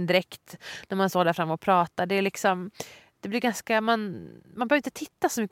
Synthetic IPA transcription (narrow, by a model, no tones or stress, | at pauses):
nd̪ɪɾɛkt̪næɾmanst̪oːd̪æɾfɾamːɔpʰɾɑːt̪aɖɛæɭɪksɔm | d̪̥ɛblɪɾɡanskamanmanbœɾvɾɪnt̪ət̪ʰɪt̪ːasɔmʏkː